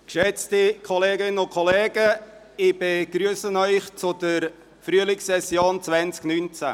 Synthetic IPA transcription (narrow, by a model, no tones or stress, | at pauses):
kʃɛt͡stikʰoleːɡɪnənʊnkʰɔleːɡə | ɪbeɡ̥ɾyːsənœʏχt͡sʊdəɾ | fryəlɪksɛsjoːnt͡sʋɛnt͡sknynt͡sæ̰